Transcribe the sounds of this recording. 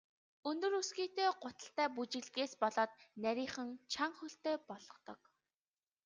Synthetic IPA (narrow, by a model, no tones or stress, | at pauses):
ɵnt̪ɵ̆rɵsɡiːt̪eːɢʊt̪ə̆ɬt̪æːput͡ɕɪ̆ɮɣeːspɔɮɔːt̪̚næɾʲiːχə̆nt͡ɕʰaŋχɵɬt̪eːpɔɮɞ̆t̪ɞ̆k̚